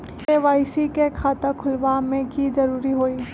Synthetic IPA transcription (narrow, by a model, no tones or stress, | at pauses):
eːʋaːisikekʰaːt̪akʰʊlʋamẽkizɐɾuːɾiɦoːiː